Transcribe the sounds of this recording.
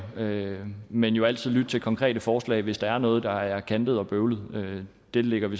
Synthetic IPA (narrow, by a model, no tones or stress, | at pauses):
ømenjo̝æl̰t͡sʰið̞̰ˠlyd̥̚t͡sʰe̝lkʰɒ̽ŋkʰʁɛ̰ːd̥əfɒːslɛ̰ɪʋe̝sd̥ɑ̈æɐnɔ̽ːð̞̩ˠd̥ɑ̈æɐkʰænd̥əð̩ˠɒ̽b̥øʊlð̞̩ˠø | d̥e̝leɡ̥ɐʋe̝